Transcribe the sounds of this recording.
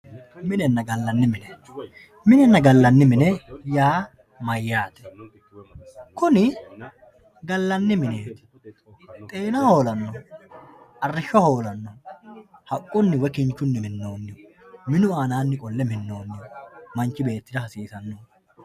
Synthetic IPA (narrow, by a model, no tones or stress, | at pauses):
mɪnɛnːɐɡɐlːɐnːɪmɪnɛ | mɪnɛnːɐɡɐlːɐnːɪmɪnɛjaː | mɐjːaːt̪ɛ̥ | kʊnɪ | ɡɐlːɐnːɪmɪneːt̪ | t̪ʼe̞ːnaho̞ːlɐnːɔ | ʔɐrːɪʃːɔho̞ːlɐnːɔ | hɐkʼːʊnːɪwɛkɪnt͡ʃːʊnːɪmɪnːo̞ːnːɪjɔ | mɪnʊaːnaːnːɪkʼɔlːɛmɪnːo̞ːnːɪjɔmɐnt͡ʃːɪbe̞ːt̪ːɪd̪ɐhɐsiːsɐnːɔ